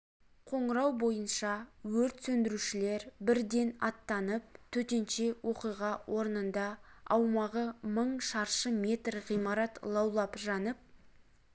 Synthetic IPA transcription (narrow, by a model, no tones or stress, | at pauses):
qʰo̞ɴəɾɑwbo̞jənʃɑwɵɾt̪sɵnd̪ɪɾuʃɪle̞ɾbɪɾd̪e̞nɑt̪ːɑnəp̚t̪ʰɵt̪e̞nʃe̞wo̞qijʁɑwʔo̞ɾənənd̪ɑɑwmɑʁəməɴʃɑɾʃəmʲe̞t̪rʁijmɑɾɑt̪lˠɑwlˠɑpʒɑnəp̚